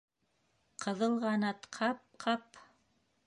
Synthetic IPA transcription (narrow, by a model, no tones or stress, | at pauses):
qʰɤ̆ðɤ̆lˠʁɑnɑt̪qʰɑp̚qʰɑp